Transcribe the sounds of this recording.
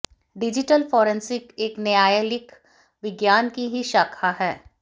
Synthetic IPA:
ɖɪd͡ʒɪʈəlfɔːɾə̃nsɪkeːknejaːjəlɪk | ʋɪɡjaːnkiɦiʃaːkʰaɦɛː

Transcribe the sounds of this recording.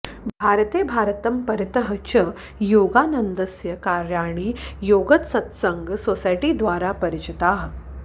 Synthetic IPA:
bʱaːɾt̪eːbʱaːɾt̪ɐmpɐɾjt̪əɦət͡ʃə | joːɡaːnənd̪ɐsjɐkaːɾjaːɳ̃iːjoːɡɐt̪sɐt̪sɐŋɡsoːsajʈid̪ʋaːɾapɐɾit͡ʃit̪aːɦ

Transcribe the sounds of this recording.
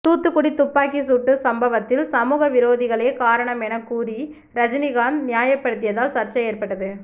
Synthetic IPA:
t̪uːt̪ːɯkːʊɽit̪ʊpːaːkisuːʈːɯsɐmbɐʋɐt̪ːɪlsɐmuːɣɐʋɪɾoːðɪɣɐɭeːkaːɾɐɳɐmɛnɐkːuːɾi | ɾɐd͡ʒɪnɪɣaːnnɪjaːjɐpːɐɽɯt̪ːɪjɐðaːlsɐɾt͡ʃːɐeːɾpɐʈːɐðɯ

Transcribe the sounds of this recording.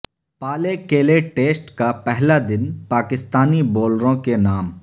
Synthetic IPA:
paːlekeːleʈeːsʈkapɛɦlad̪ɪnpaːkɪst̪aːniboːlɾõkenaːm

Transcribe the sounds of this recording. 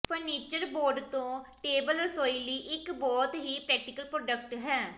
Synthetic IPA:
pʰəɾniːt͡ʃəɾboːɾɖt̪õːʈeːbəlɾəsoːiːliːʔɪkbɔːt̪ɦiːpɾɛːk̚ʈɪkəlpɾoːɖək̚ʈɦɛː

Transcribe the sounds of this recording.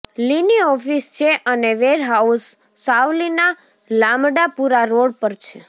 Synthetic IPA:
liniɔfist͡ʃʰeʔəneʋeɾɦausː | awlina | lamɖapuɾaɾoɽpəɾt͡ʃʰe

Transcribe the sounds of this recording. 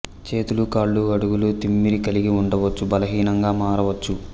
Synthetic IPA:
t͡ʃe̞ːt̪ulukaːɭːuɐɽuɡulut̪imːiɾikɐliɡiuɳɖɐʋɐt͡ʃːubɐlɐɦiːnɐŋɡaːmaːɾɐʋɐt͡ʃːu

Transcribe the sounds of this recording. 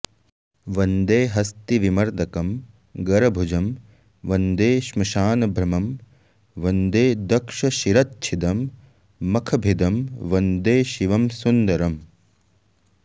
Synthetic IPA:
ʋɐnd̪eːɦɐst̪iʋimɐɾd̪ɐkɐm | ɡɐɾɐbʱud͡ʒɐm | ʋɐnd̪eːʃmɐʃaːnɐbʱɾɐmɐm | ʋɐnd̪eːd̪ɐkʂɐʃiɾɐtt͡ʃʰid̪ɐmː | ɐkʰɐbʱid̪ɐmʋɐnd̪eːʃiʋɐmsund̪ɐɾɐm

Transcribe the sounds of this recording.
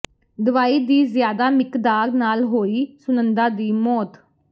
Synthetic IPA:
d̪əʋaːiːd̪iːzjaːd̪aːmɪkd̪aːɾnaːlɦoːiːsʊnənd̪ãːd̪iːmɔːt̪

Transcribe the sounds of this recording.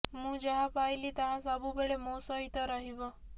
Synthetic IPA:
mũːd͡ʒaɦapajlit̪aɦãsabubeɭemosɔit̪ɔɾəɦibɔ

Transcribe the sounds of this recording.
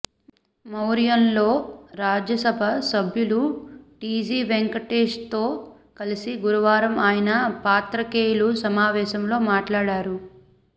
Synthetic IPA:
mɐwɾjɐnlo̞ːɾaːd͡ʒjɐsɐbʱɐsɐbʱjuluʈiːd͡ʒiːʋeŋkɐʈeːʂt̪o̞ː | kɐlisiɡuɾuʋaːɾɐmaːjɐnɐpaːt̪ɾɐkeːjlusɐmaːʋɛːʃɐmlo̞ːmaːʈlaːɽaːɾu

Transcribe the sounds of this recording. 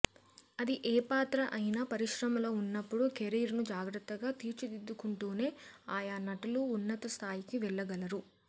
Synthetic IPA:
ɐd̪iʔeːpaːt̪ɾɐʔɐjinaːpɐɾiʃɾɐmɐloːunːɐpːuɽukeɾiːɾnud͡ʒaːɡɾɐt̪ːɐɡaːt̪iːɾt͡ʃid̪id̪ːukuɳʈoːne̞ːaːjanɐʈɐluːnːɐt̪ɐst̪ʰaːjikiʋɛɭːɐɡɐlɐɾu

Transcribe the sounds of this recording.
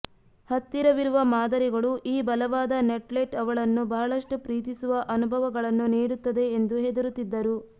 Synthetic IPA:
hɐt̪ːiɾɐʋiɾuʋɐmaːd̪ɐɾiɡɐɭuʔiːbɐlɐʋaːd̪ɐneʈleʈɐʋɐɭɐnːubɐɦɐɭɐʂʈupɾiːt̪isuʋɐʔɐnubʱɐʋɐɡɐɭɐnːuniːɽut̪ːɐd̪e̞ːnd̪uɦe̞d̪ɐɾut̪ːid̪ːɐɾu

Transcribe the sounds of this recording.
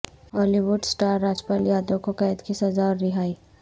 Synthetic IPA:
ɔːliʋʊɖsʈaːɾːaːd͡ʒpaːljaːd̪okokɐjt̪kisɐzaɔɾːɪɦaːi

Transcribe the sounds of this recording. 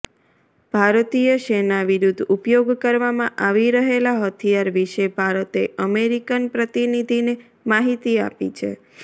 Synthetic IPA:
b̥ʱaɾt̪ijəʃenaʋiɾud̪ʱupjoɡkəɾʋamãʔaʋiɾəɦelaɦət̪ʰijaɾʋiʃebʱaɾət̪eʔəmeɾikənpɾət̪inid̪ʱine | maɦit̪ia̰pḭt͡ʃʰḛ

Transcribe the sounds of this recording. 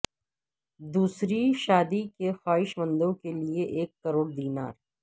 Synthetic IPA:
d̪uːsɾiʃaːd̪ikexaːɦɪʃmə̃nd̪õkelieʔeːkːəɾoːɽd̪iːna̰ːɾ

